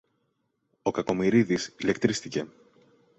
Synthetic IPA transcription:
o̞kɐko̞miɾiðisile̞kt̪ɾisθice̞

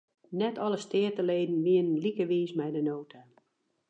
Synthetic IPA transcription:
nɛtʰɔləstɪətəleːdn̩ʋiənənlikəʋiːsmɛjdənoːtʰa

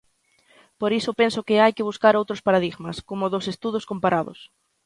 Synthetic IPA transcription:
poɾisʊpensʊkɪajkɪβ̞uskaɾowt̪ɾʊspaɾaðiɣmɐskomʊðosest̪uðʊskompaɾaðʊ̰s

